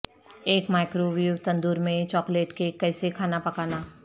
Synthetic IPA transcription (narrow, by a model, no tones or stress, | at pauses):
eːkmaːɪkɾoʋiut̪ɐ̃nd̪uːɾmẽt͡ʃɔːkleːʈkekɛːsekʰaːnapɐkaːnaː